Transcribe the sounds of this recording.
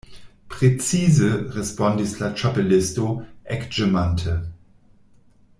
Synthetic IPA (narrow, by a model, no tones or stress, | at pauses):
pʁ̥ɛt͡siːzəʁɛspɔndislat͡ʃapelɪstoʔɛkʒ̥ɛmantʰə